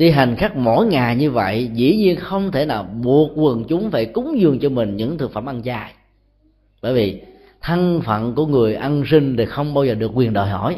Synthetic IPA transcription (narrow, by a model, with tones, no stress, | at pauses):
ɗi˧ɦa˨˩jŋ̟xaː˦˥k̚mo̰˧˥jŋaː˨˩jɲɨ˧və̰˧˨jzḭ˧˥ɲi˧ənxə˧wŋ͡mt̪ʰe˧˩naː˨˩wɓu˨˩ət̚kwə˨˩nt͡ɕʊ˨˦ŋ͡mfaː˧˩jkʊ˨˦ŋ͡mzɨ˨˩əŋt͡ɕɔ˧mï˨˩ŋ̟ɲɨ̰˧˥ŋt̪ʰɨ˨˩kfaː˧˩mʔa˧nt͡ɕaː˧j | ɓəː˧˩jvi˨˩ | t̪ʰa˧ŋfə̰˧˨nku˧˩əŋɨ˨˩əjʔa˧nsï˧ŋ̟ɗ̪e˨˩xə˧wŋ͡mɓaː˧wzəː˨˩ɗɨ˨˩əkːwi˨˩ənɗə˨˩jɦɔ̰˧˩˨j